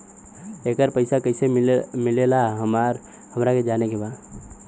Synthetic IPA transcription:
ekəɾpəɪsakəɪsemɪlelaɦɾ | həmɾaked͡ʒaːnekebaː

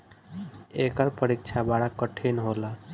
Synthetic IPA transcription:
ekəɾpəɾik̚t͡ʃʰabaɽakːəʈʰinɦola

